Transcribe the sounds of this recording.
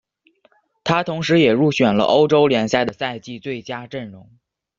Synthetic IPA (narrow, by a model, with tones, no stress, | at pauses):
t̪ʰa˥t̪ʰʊ˧˥ŋʂɻ̩˧˥jɛ˨˩ɻu˥˩ɕɥɛ˨˩nlə̰˦˧ʔo˥ʊʈ͡ʂo˥ʊljɛ˧˥nsja˥˩ɪd̪ə˩sa˥˧ɪt͡ɕi˥˧t͡swe˥˩ɪt͡ɕja˥ʈ͡ʂə˥˩nɻʊ˧˥ŋ